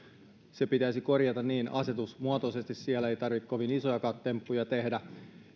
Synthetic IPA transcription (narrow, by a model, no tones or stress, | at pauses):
se̞pit̪æjsiko̞rjɑt̪ɑnniːnɑse̞t̪usmuɑt̪osest̪issiælːæejt̪ɑrʋikkoʋinisojɑkɑːt̪ːe̞mpːujɑt̪e̞hdæ